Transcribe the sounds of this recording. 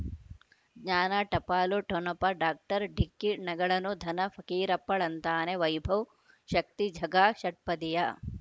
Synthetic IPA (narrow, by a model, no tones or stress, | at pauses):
ɡɲaːnaːʈɐpaːluʈʰonɐpɐɖaːk̚ʈɐɾɖʱikːinɐɡɐɭɐnud̪ʱɐnɐfʰɐkiːɾɐpːɐɭɐnt̪aːneʋɐjbʱɐw | ʃɐk̚t̪id͡ʒʱɐɡaːʃɐʈ̚pɐd̪ija